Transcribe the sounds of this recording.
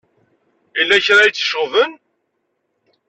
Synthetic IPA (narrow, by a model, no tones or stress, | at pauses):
ilːæçɾajt͡sːə̥ʃʁvən